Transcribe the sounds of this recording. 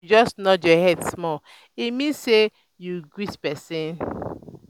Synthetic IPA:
d͡ʒɔsnɔdjɔhɛdsmɔ | imĩnsse | juɡwispɛsĩn

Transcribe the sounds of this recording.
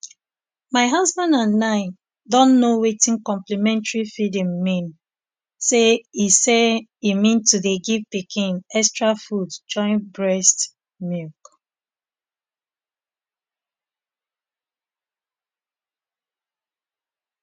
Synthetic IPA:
maɪɦazbãndãnːãɪ̃n | dɔ̃nːowetĩnkɔ̃mplimɛ̃ntɹifidĩmːĩn | seiseimĩntuðeɡivpikʰĩnɛstɹafudd͡ʒɔ̃ɪ̃nbɹɛst | milk

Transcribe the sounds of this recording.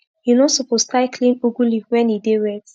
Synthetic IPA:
junɔsopostaɪkʰlĩnuɡuliwɛ̃nideɹɛt

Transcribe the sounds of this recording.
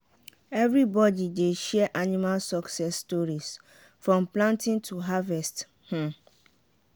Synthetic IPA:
ɛvɹibɔdideʃɛɛʔanimalsɔksɛsːtɔɹis | fɹɔ̃mplãntĩntʰuɦavɛst | h̩

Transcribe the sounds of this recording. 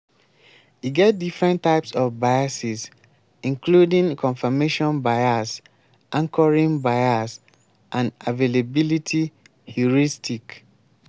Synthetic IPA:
iɡɛt̚difɹɛ̃ntːaɪpsɔfbajasis | ĩŋkludĩŋkʰɔ̃nfameʃɔ̃nbaɪas | ʔãŋkʰɔɹĩnbaɪas | ʔãnavelabilitʰi | huɹistik

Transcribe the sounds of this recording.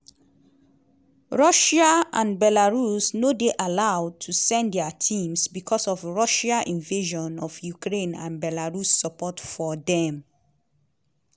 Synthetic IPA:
ɹɔʃaãnbɛlaɹusnodeʔalaʊd̚tʰusɛ̃ndɛatʰĩmsbikʰɔsɔvɹɔʃaʔĩnveʒɔ̃nɔvjukʰɹẽnã̰nbɛlaɹusːəpɔtfɔðɛ̃m

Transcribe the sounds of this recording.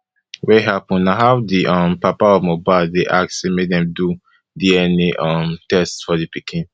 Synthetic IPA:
wɛɦapɔ̃nnaɦadiʔɔ̃mpapaɔvmobadeʔak̚semedɛ̃mdu | diɛniʔɔmtɛstfɔdipikʰĩn

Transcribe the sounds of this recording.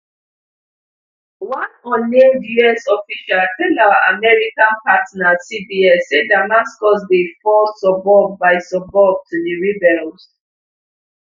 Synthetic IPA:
wãnɔ̃nːedjuɛsɔfiʃalfelawaʔamɛɹikãnpatnasibiɛsedamaskɔs̬defɔsɔbɔbːaɪsɔbɔb̚tʰudiɹibɛɹs

